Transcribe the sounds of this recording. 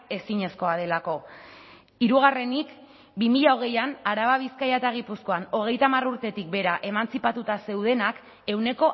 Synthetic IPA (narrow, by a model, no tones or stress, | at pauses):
e̞siɲe̞sko̞að̞e̞lako̞ | iɾuɣ̞are̞nik | bimiʎao̞ɣ̞e̞janaɾaβaβ̞iskajat̪aɣ̞ipusko̞ano̞ɣ̞e̞jt̪amaruɾt̪e̞t̪ik̚be̞ɾaʔe̞mant͡sipat̪ut̪ase̞wð̞e̞nak | e̞wne̞ko̞